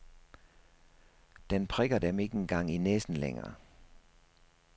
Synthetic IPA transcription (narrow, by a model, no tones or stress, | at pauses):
d̥enpʰʁɛɡ̥ɐd̥eme̝ɡ̥əenɡ̥ɑ̈ŋ̰inesn̩lḛŋɐ̰ː